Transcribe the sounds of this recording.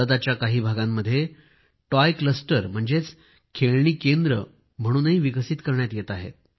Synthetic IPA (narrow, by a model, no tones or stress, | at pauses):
əd̪at͡ɕjakaɦiːbʱaɡãmːəd̪ʱːje | ʈɔjkləsʈəɾm̤əɳd͡zet͡s | kʰeɭɳiːkend̪ɾə | m̤əɽ̃uːnɦiːʋiɡəsit̪kəɾɳjat̪jet̪aɦḛt̪̚